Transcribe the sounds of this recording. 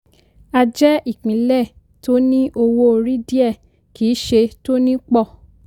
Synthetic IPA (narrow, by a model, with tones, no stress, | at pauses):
a˧d͡ʒɛ˦i˦˨k͡pĩ˨˦lɛ˦˨ | to˦nĩ˦ʔo˧wo˦o˧ɾi˦di˦ɛ˦˨ | ki˨˦ʃe˧to˦nĩ˦k͡pɔ˦˨